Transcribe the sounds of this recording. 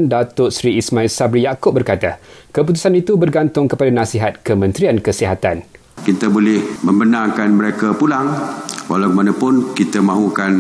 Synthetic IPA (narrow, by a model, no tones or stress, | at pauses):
ndat̪ʊt̪sɾiismãilsabɾijakʊp̚bərkat̪akəp̬ut̪̬u̥sanit̪ubərɡant̪ʊŋkəpadanãsiɦat̪̚kəmə̃nt̪ɾiankəsiɦat̪an | kit̪abolɛhməmbənaŋkanməɾekapulaŋwalawkmanapʊnkit̪amãɦukan